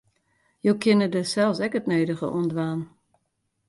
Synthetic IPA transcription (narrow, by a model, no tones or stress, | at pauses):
joːkʰɪnədəsɛlˠsɛkətneːdəɣə̰ʔṵəndʋaːn